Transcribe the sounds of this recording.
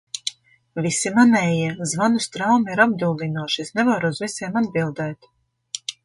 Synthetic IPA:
visimanɛːjiɛzvanust̪ɾawmiɾab̚d̪uːlˠinuɔʃisnɛvaɾuzvisʲeːmad̪bilˠd̪ɛːt̪

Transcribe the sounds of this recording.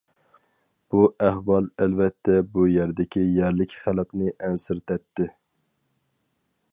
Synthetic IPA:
b̥uʔæhwɑlˠælvɛt̪ʰːɛbujæɾd̪ɪkʲijæɾlɪkʲχælˠəqnɨʔɛnsɪɾt̪ʰɛt̪ʰːɪ

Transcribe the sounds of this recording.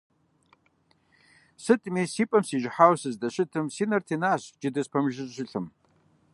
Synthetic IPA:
sɨtʼmisipʼɐmsiʒħawsɨzdaʃʷɪtʰɨmsinɐrtʰinaɕd͡ʒɪdɐzpʰɐmʒɪzɕʷɪɬʰɨm

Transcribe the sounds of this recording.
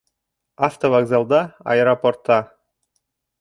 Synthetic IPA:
ɑft̪ovɑɡzɑlˠd̪ɑɑ̰eɾoport̪ːɑ

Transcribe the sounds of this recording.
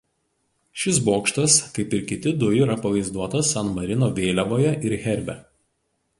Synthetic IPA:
ʃʲɪs̬boːkʃt̪ɐskɐɪpɪɾkʲɪt̪ʲɪd̪ʊjɪɾɐpɐʋɐɪzd̪uɔt̪ɐsɐnmɐɾʲɪnoːʋʲeːlʲɛʋoːjɛʔɪɾɣʲɛɾʲbʲɛ

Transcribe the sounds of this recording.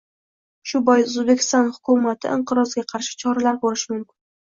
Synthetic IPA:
ʃʊbɒjʊzbe̞kʲɪ̥st̪ɒnhʊkʰʊmat̪ʰɪ̰ʔɪɴqɨɾɒzɡʲaqʰɑɾʃɪ̥t͡ʃʰɒɾalaɾboɾɪʃmʊmkʲɪn

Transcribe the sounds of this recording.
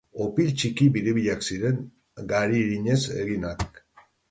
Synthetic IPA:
o̞pilt͡ʃikiβiɾiβiʎaksiɾe̞ŋ | ɡaɾiɾiɲe̞se̞̰ɣinak

